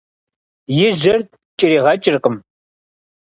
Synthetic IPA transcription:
jɪʒɐr | t͡ʃʼɪɾiːʁɐt͡ʃʼɪrqəm

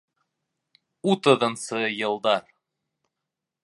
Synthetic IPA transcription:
ut̪ɤ̆ðɤ̆nsɤjɤ̆lˠd̪ɑɾ

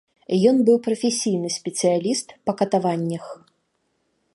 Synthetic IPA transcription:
jɔnbɨwpɾɐfʲesʲijnɨsʲpʲɛt̪sɨjalʲist̪pɐkɐt̪avanʲːɐx

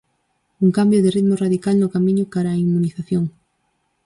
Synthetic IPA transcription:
uŋkambjoðerit̪moraðikalnʊkamĩɲʊkaɾaːiŋmũniθaθjoŋ

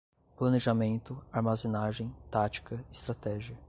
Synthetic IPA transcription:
plɐ̃neʒamẽnt̪ʊaɾmazenaʒẽj̃t̪at͡ʃi̥kɐɪst̪ɾat̪ɛʒiɐ

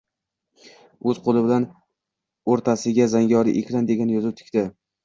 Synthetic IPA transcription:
ɵzqʰolˠɪbɪlan | oɾt̪ʰasɪɡʲazaŋɡʲɒɾɪ̰ʔekʲɾand̪e̞ɡʲanjɒzɪt̪ʰɪ̥kʲt̪ɪ

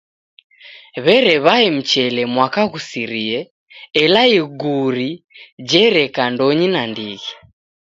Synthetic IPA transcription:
βɛɾɛβaɛm̩t͡ʃɛlɛmwakaɣusiɾiɛ | ɛlaiɡuɾid͡ʒɛɾɛkandɔɲinandiɣi

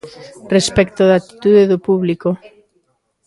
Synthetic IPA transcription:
respekt̪oðat̪i̥t̪uðeðopuβliko

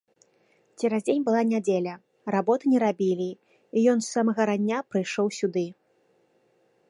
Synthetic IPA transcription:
t͡sʲɛɾazʲd͡zʲenʲbɨlˠanʲad͡zʲelʲɐ | rabɔt̪ɨnʲɛɾabʲilʲi | ijɔnsːamɐɣɐɾanʲːapɾɨjʂɔwsʲud̪ɨ

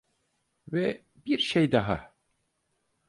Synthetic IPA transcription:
vɛ | biɾʃejd̪aɦa̰

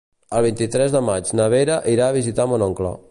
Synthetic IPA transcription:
əlˠβ̞int̪it̪ɾɛzðəmad͡ʒnəβeɾəʔiɾaːβizit̪amonɔŋklɔ̰

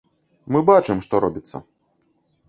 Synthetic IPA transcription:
mɨbat͡ʂɨmʂt̪ɔɾɔbʲit̪sːɐ̰

